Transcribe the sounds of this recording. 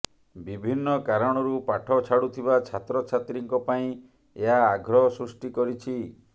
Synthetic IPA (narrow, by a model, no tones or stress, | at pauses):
bibʱinːɔkaɾɔɽ̃ɔɾupaʈʰɔt͡ʃʰaɽut̪ʰiβat͡ʃʰat̪ɾɔt͡ʃʰat̪ɾiŋkɔpaĩ | eɦaːɡʱɾɔɦɔsɾusʈikɔɾit͡ʃʰi